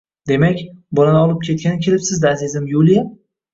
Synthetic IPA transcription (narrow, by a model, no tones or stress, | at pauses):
d̪e̞makʲbʊnanɒlˠɪp̚kʲʰe̞t̪̚kʲanɪkʲʰe̞lɪpsɪzd̪aazizɪmjulˠija